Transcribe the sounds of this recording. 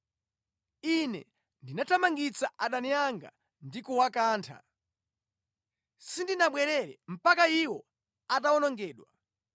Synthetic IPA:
inɛ̰ | ndinatʰamaŋɡit͡saʔaɗaniaŋɡa̰ | ndikɔwakaːntʰa̰ | sindinaɓwɛɾɛɾɛm̩pakaiwɔ | ataɔnɔŋɡɛːɗwa

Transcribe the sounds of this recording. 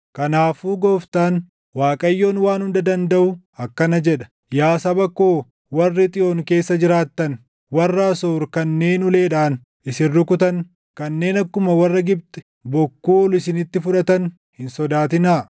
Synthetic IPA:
kɐnaːfuːɡoːft̪aːn | waːkʼɐjːo̞ːnwaːnhʊnd̪ɐd̪ɐnd̪ɐʔʊ | ɐkːɐnɐd͡ʒɛᶑɐ̥ | jaːsɐbɐkːoː | wɐrːɪt̪ʼɪʔo̞ːŋke̞ːsːɐd͡ʒɪɾaːt̪ːɐn | wɐrːɐːsoːɾkɐnːe̞ːnʊle̞ːᶑaːn | ɪsɪrːʊkʊt̪ɐn | kɐnːe̞ːnɐkːʊmɐwɐrːɐɡɪb̚t̪ɛ̥ | bɔkːuːɔlɪsɪnɪt̪ːɪfʊᶑɐt̪ɐn | hɪnsɔd̪aːt̪ɪnaː

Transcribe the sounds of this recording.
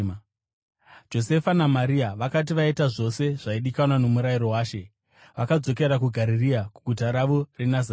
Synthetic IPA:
d͡ʒo̞se̞fanamaɾiaʋakat̬iʋaitaʐo̞se̞ʐ̥aiɗikanwano̞muɾaiɾo̞waːʃe̞ | ʋakad͡zo̞ke̞ɾakuɡʱaɾiriakuɡʱut̬aɾaʋo̞re̞naza

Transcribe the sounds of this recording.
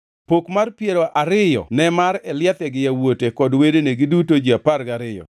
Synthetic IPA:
pokmarpjeɾoʔaɾɪjɔ̰nɛmaɾɛljat̪ɛɡɪjawotekɔdwedeneɡɪdutod͡ʒiapaɾɡaɾɪjɔ̰

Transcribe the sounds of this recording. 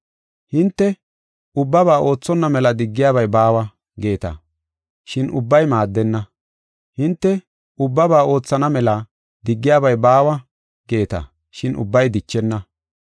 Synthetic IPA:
hɪnt̪ːɛ | ʊbːɐβaːʔo̞ːt͡sːɔnːɐmɛlɐd̪ɪɡːɪjaːbɐjbaːwɐ | ɡe̞ːt̪ɐ̰ | ʃɪnʔʊbːɐjmaːd̪ːɛnːɐ | hɪnt̪ːɛ | ʊbːɐbaːo̞ːt͡sːɐnɐmɛlɐ | d̪ɪɡːɪjaːbɐjbaːwɐ | ɡ̥e̞ːt̪ɐ̰ | ʃɪnʔʊ̰bːɐjd̪ɪt͡ʃːɛnːɐ

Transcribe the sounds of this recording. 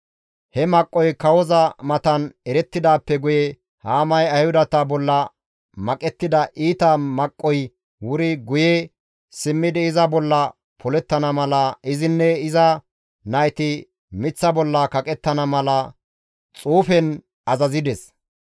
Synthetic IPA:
hɛmɐkʼːɔjkɐwɔzɐmɐt̪ɐnɛɾɛt̪ːɪd̪aːpːɛɡʊjɛ | haːmɐjɐjhʊd̪ɐt̪ɐbɔlːɐ | mɐkʼɛt̪ːɪd̪ɐʔiːt̪ɐmɐkʼːɔj | wʊɾɪɡʊje | sɪmːɪd̪ɪɪzɐbɔlːɐ | pʰɔlɛt̪ːɐnɐmɐlɐʔɪzɪnːɛɪzɐ | nɐjt̪ɪ | mɪt͡sːɐbɔlːɐkɐkʼɛt̪ːɐnɐmɐlɐ | t͡sʼuːfɛn | ɐzɐzɪd̪ɛs

